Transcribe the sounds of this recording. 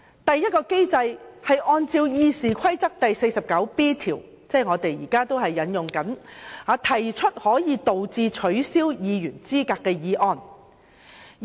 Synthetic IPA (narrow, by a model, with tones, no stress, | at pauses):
t̪ɐ˨jːɐ˥t̚kɔː˧ke˥jt͡sɐ˧jhɐ˨jʔɔː˧nt͡siː˧wjiː˧siː˨kʷʰɐ˥jt͡sɐ˥k̚t̪ɐ˨jse˧jsɐ˨p̚kɐ˨˥wpiː˥t̪ʰiː˨˩w | t͡sɛː˥ŋɔː˨˧t̪e˨jjiː˨˩kaː˥t̪o˥whɐ˨jːɐ˨˧˥njʊ˨ŋkɐ˨˥nhaː˨˧t̪ʰɐ˨˩jt͡ʃʰɵ˥t̚hɔː˨˥jiː˨˧t̪o˨wt͡siː˧t͡ʃʰɵ˨˥ɥsiː˥wjiː˨˧jyː˨˩nt͡siː˥kaː˧kːɛː˧jiː˨˧ʔɔː˨˧n